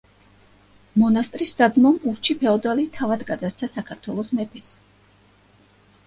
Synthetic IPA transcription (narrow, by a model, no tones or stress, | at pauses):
mɔnast̪ʼɾisːad̪zmɔmuɾt͡ʃʰipʰɛɔd̪alit̪ʰavad̪ɡad̪asɾt̪sʰasakʰaɾt̪ʰwɛlˠɔsmɛpʰɛs